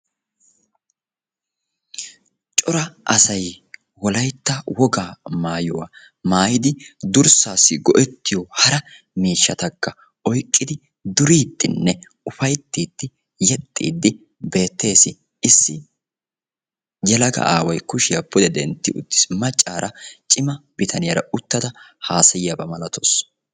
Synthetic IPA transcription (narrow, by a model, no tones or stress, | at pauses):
t͡ʃʼɔɾɐʔɐsɐj | wɔlɐjt̪ːɐwɔɡaːmaːjʊwa̰ | maːjɪd̪ɪd̪ʊɾsaːsːɪɡɔʔɛt̪ːɪjɔhɐɾɐ | miːʃːɐt̪ɐkːɐ | ʔɔjkʼːɪd̪ɪ | d̪ʊɾiːt̪ːɪnːɛ | ʊfɐjt̪ːiːt̪ːɪ | jɛt̪ʼːḭːd̪ːɪ | be̞ːt̪ːe̞ːsɪ | ɪsːɪ | jɛlɐɡɐ̰ʔaːwɐjkʊʃɪjɐpːʊd̪ɛd̪ɛnt̪ːɪʊt̪ːɪ̥smɐt͡ʃʼːaːɾʔɐt͡ʃʼɪmɐb̥ɪt̪ʰɐnɪjɐɾɐʊt̪ːɐd̪ɐhaːsɐjɪjɐbɐmɐlɐt̪ʰos